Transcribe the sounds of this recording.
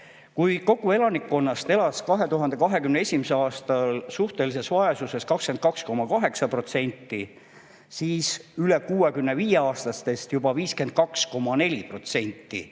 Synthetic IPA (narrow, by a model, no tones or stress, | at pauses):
kujko̞ɡ̥ue̞lɑnikːˑo̞nːɑst̪e̞lɑskɑɦe̞t̪uɦɑnd̪e̞kɑɦe̞kymneesʲimiseɑːst̪ɑlsuht̪e̞lise̞svɑesuse̞skɑkske̞nd̪̥̚kɑksko̞mːɑkɑɦe̞ksɑpro̞t̪se̞nʲt̪ːi | siːsyle̞kuːekymne̞viːjeɑːst̪ɑst̪e̞st̪jubɑviːske̞nd̪̥̚kɑksko̞mːɑne̞lʲipro̞t̪se̞nʲt̪ːḭ